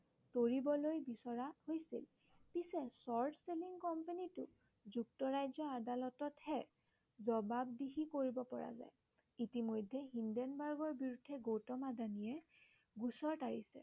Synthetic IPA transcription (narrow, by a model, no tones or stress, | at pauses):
toɹibɔlojbisɔɹahojsḭl | pisɛsɔɹdʰseliŋkɔmpanitʊ̰ | zuktɔɹajzɔadalɔtɔthɛ | zɔbab̚diɦikoɹibɔpɔɹa̰za̰j | itimojdʱːɛɦindɛnbaɹɡɔɹbiɹudʱːɛɡowtɔmadanijɛ | ɡusɔɹtaɹisɛ̰